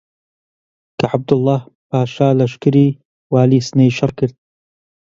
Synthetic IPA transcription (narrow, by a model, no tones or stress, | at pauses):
kʰaʕab̚d̪ʊlˤːɑːhpaːʃaːlɐʃkɨɾiː | waːliːsnejʃɑɾˤkɨɾd̪̚